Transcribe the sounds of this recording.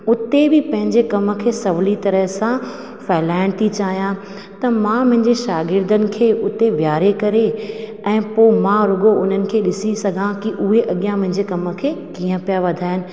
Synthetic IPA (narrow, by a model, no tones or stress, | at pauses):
ʊt̪ebɪpɐ̃ɦɪ̃ɲd͡ʑekɐmə̆kʰeːsɐʋlit̪ɐɾəɦsã | fɛːɪlaːɪɽ̃t̪ʰit͡ɕaːɦijã | t̪ɐmãmʊ̃ɦɪ̃ɲd͡ʑeʃaːɡɪɾd̪ʱənɪ̆kʰeːʔʊt̪eʋjaːɾekɐɾe | ɛ̃ːpoːmãɾʊɡoʊn̤ənɪ̆kʰeːɗɪsisɐɡʱãkiʔʊɦeʔɐɠjãmɐ̃ɦɪ̃ɲd͡ʑekɐmə̆kʰeːkiːə̃pijaʋɐd̪ʱaːɦɪnɪ̆